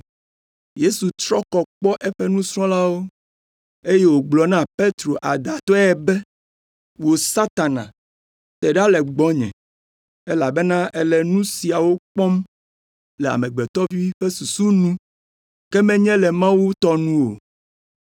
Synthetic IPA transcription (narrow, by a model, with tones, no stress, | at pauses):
je˦su˨t̪ɾɔ˦kɔ˨k͡pɔ˦ʔɛ˦ɸe˦nũ˦sɾɔ̃˦la˦wo˦ | e˦je˦wo˨ɡ͡blɔ˨nã˦pe˦t̪ɾo˨ʔa˨d̪a˨t̪ɔ˦ɛ˦bɛ˦ | wo˨sa˦t̪a˨nã̰˨ | t̪ɛ˨ɖa˦lɛ˨ɡ͡bɔ˦ɲɛ̰̃˨ | e˦la˨be˦nã˦ʔɛ˨lɛ˨nũ˦si˨a˨wo˦k͡pɔ˦m | lɛ˨a̰˨mɛ̃˨ɡ͡bɛ˨t̪ɔ˦vi˦ɸe˦su˨su˦nũ˦ | kɛ˦mɛ̃˦ɲɛ̃˦lɛ˨mã˦wu˦t̪ɔ˦nũ˦wo̰˨